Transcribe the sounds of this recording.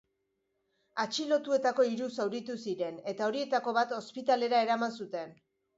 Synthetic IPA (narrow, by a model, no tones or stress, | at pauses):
at͡ʃilo̞t̪ue̞t̪ako̞iɾusawɾit̪usiɾe̞ne̞t̪ao̞ɾie̞t̪ako̞βat̪o̞spit̪ale̞ɾae̞ɾamansut̪e̞n